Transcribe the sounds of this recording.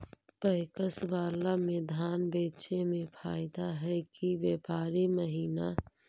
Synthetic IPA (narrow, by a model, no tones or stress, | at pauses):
pəɪkəsbaːlamẽd̪ʱaːnbeːt͡ʃemẽpʰaːɪd̪aɦɛkiʋjeːpaːɾiməɦiːna